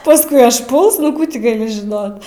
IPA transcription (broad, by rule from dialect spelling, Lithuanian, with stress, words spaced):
pɐsˈkʊɪ ɐʃˈpʊlˠs nʊ ˈkuː tʲɪ ɡɐˈlʲɪ ʒʲɪˈnoːt